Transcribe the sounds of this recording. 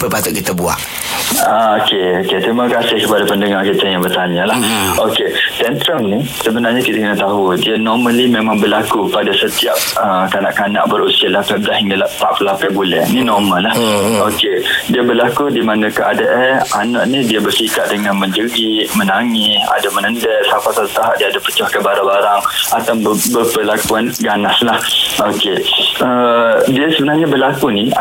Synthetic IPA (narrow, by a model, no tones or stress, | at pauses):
pəpat̪ʊʔ̚kit̪əbua̰ʔ | aokeoket̪ɾiməkasɪhkəpadapəndəŋarkit̪əjãŋbərt̪aɲalahoket̪ɛnt̪ɾəmni | səbənarɲakit̪akənət̪aɦudianɔrməlimẽmãŋbərlakupadasət̪iap̚əkana̰ʔkana̰ʔbəɾusiəlahpadahiŋɡalaʔpa̰ʔpəlapɛʔ̚bulɛ̰hninɔrmalːahokediabəlakudimanãkəʔadəʔɛanɔʔnidiabərsikat̪̚dəŋãnməɲd͡ʒəɡiʔmənaŋɪsa̰damənəndɛʔsapasaət̪aɦaʔ̚diaadapə̥t͡ʃɔhkəbaɾabaɾaŋat̪abəpəlakuanɡanaslahokeədiasəbənarɲabəlakuni